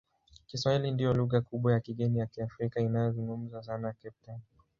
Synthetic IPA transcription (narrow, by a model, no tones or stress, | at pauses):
kiswahilindijɔluɣakuɓwajakiɠɛnijakiafɾikainajɔzuŋɡum̩zasanajkɛp̚tan